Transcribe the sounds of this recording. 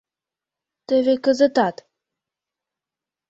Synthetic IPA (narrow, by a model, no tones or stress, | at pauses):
t̪ə̆vekə̆zə̆t̪ɑt̪